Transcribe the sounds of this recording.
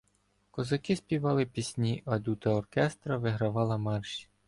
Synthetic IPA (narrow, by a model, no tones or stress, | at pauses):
kɔzɐkɪspʲiʋɑlˠɪpʲisʲnʲiʔɐd̪ʲut̪ɐɔrkɛst̪ɾɐʋɪɦɾɐʋɑlˠɐmɑrʃi̥